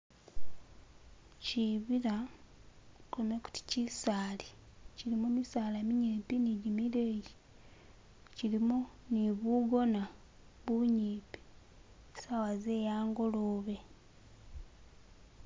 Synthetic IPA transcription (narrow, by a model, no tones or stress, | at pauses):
ciβiɾa | komeku̥ti̥cisaːliciɾimumisaːlaemiɲipiniɟimiɾeji | ciɾimuniβuɡo̞na | βuɲiːpi̥ | sawazeːjaːŋɡo̞loːβe